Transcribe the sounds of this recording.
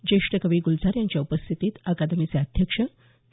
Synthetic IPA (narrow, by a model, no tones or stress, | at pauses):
d͡ʑeʂʈəkəʋiːɡuld͡zaɾjãɲt͡ɕjaupəst̪ʰit̪iːt̪akad̪miseəd̪ʱjəkʂə